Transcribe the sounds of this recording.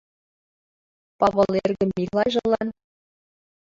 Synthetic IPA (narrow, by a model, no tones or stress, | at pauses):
pɑβɤ̆lˠerɣɘ̆mːilɑjʒɤ̆lˠɑn